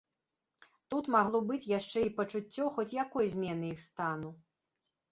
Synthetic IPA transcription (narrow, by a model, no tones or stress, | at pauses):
t̪ut̪maɣlˠɔbɨt͡sʲjaʂt͡ʂɛipɐt͡ʂut͡sʲːɔxɔt͡sʲjakɔjzʲmʲɛnɨixst̪anu